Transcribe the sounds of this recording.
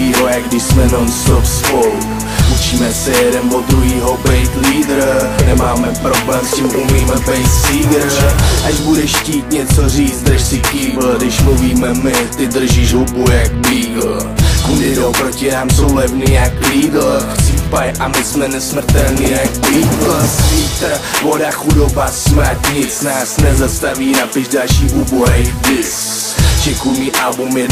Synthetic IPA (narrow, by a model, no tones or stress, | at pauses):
iːɦojaɡdɪʃsmɛnonsofspowk | ʔut͡ʃiːmɛsɛjɛdɛnbod̪ɾuɦiːɦobɛjt̪liːd̪ɾnɛmaːmɛpɾoblɛːmscɪmʔumiːmɛbɛjt̪siːɡɾʔaʒbudɛʃciːt̪ɲɛt͡soriːt͡s̪d̪ʃsɪkiːvl̩dɪʃmluviːmɛmɪt̪ɪd̪r̩ʒiʒɦubujak̚bliːɡl̩ | kudɪdowpɾocɪnaːmsowlɛvniːjakliːdlft͡siːpajʔamɪsmɛnɛsmr̩t̪ɛlnijak̚bliːɡlsit̪avodaxudobasmt̪ɲɪt͡snaːsnɛzast̪aviːnapɪʒdalʃiːʔuːboɦɛdɪs | t͡ʃɛkujmiːʔalbumɛ